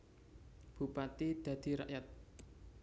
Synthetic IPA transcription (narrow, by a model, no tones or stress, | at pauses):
b̥ṳpat̪id̪̥ä̤d̪̥i̤ɾa̰ʔjat̪̚